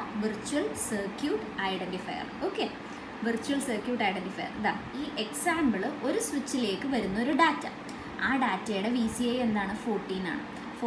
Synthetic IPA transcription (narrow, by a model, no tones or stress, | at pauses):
ʋirt͡ɕːuɐlsɐːrkjuːʈɐjɽenʈifɐ̰jɐ̰roːkːe | ʋirt͡ɕːuwɐlsɐːrkjuːʈːɐjɖenɖifɐ̰jɐ̰rd̪aːiːʔeksaːmbɐɭɨo̞ɾuswit͡ɕːile̞ːkːɨʋɐɾunːɐo̞ɾuɖaːtːɐ̰ | aːɖaːtːɐjuɽeʋiːsieje̞nd̪aːɳɨfoːʈːiːna̰ːɳɨ̰ | f